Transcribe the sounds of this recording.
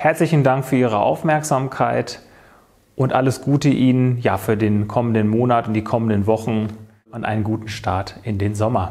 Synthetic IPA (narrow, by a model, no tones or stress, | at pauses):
hɛɐt͡slɪçn̩daŋkfyːɐʔiːʁ̞əʔa̰ʊfmɛɐkz̥aːmkʰaɪt | ʔʊntʔa̰ləsɡ̥uːtəʔiːnənjaːfyːɐdeːnkʰɔməndənmoːnatʊntd̥iːkʰɔməndənvɔχn̩ | ʔanʔa̰ɪnənɡuːtn̩ʃtʰaɐtʔɪndeːnzɔmɐ